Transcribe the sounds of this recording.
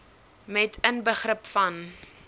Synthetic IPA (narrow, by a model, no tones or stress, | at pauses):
mɛtʰənbəχrəpfɐn